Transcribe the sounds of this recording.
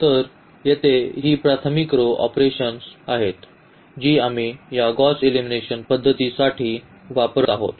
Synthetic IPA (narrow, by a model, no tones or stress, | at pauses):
t̪əɾ | jet̪eɦiːpɾat̪ʰəmikɾoʔɔ̰pɾeɕənsaɦet̪ | d͡ʑiːamijaɡɔselimineɕənpəd̪ʱːət̪isaʈʰiː | ʋapɾəaɦo̰t̪